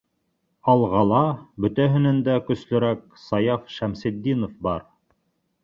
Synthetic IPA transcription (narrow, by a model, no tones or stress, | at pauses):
ɑlˠʁɑlˠɑbɵ̆t̪æɦɘ̆nænd̪ækɵ̆slɵ̆ɾæk̚ | sɑjɑfʃæmsĭd̪ʲːinofbɑɾ